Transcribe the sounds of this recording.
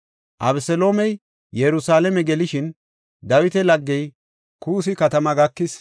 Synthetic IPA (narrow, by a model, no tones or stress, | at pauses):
ʔɐ̰bsɛlo̞ːmɛj | jɛɾʊsaːlɛmɛɡɛlɪʃɪn | d̪ɐwɪt̪ɛlɐɡːɛj | kuːs̬ɪkɐt̪ɐmɐɡɐkːɪs